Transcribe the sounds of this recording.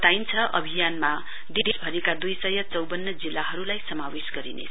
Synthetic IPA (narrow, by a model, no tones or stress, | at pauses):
t̪ajnt͡sʰʌʔʌ̰bʱijanma | d̪id̪esbʱʌɾikad̪ujsʌjʌt͡sʌwbʌnːʌd͡zilːaɦʌɾulajsʌmawesɡʌɾḭnḛt͡sʰʌ